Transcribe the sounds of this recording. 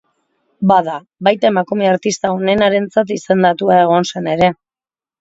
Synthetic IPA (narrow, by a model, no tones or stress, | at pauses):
baða | bajt̪aemakume̞aɾt̪ist̪aone̞naɾe̞nt͡sat̪ise̞nd̪at̪uae̞ɣ̞o̞nse̞ne̞ɾe̞